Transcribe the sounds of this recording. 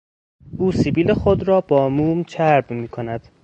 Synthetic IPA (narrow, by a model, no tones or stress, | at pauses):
ʔuːsibiːlexod̪ɾɒːbɒːmuːmt͡ʃʰæɾbmiːkʰonæd̪̥